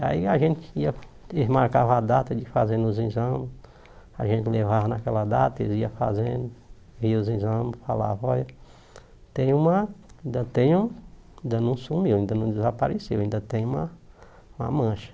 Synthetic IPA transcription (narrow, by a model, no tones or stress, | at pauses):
aiaʒẽnt͡ʃ̪ɪ̥iɐ | eɦmaɾkavɐad̪at̪ɐd͡ʒɪfazẽnʊzĩzɐ̃mɪs | aʒẽnt͡ʃ̪ɪlevavɐnakɛlɐd̪at̪ɐeziɐfa̰zẽd̪ʊ | viɐʊzĩzɐ̃mɪsfala̰vɐɔjɐ | t̪ẽj̃ũmɐĩnd̪ɐt̪ẽj̃ũĩd̪ɐnɐ̃w̃sumiwaĩnd̪ɐnɐ̃w̃d̪ɪzapaɾesewaĩnd̪ɐt̪ẽj̃ũmɐ | ũmɐ̰mɐ̃ʃɐ̥